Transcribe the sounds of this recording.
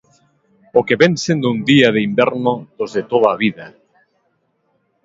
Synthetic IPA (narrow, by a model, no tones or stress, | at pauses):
okeβensend̪und̪iaðeimbɛɾnoð̥ozðet̪oðaːβiða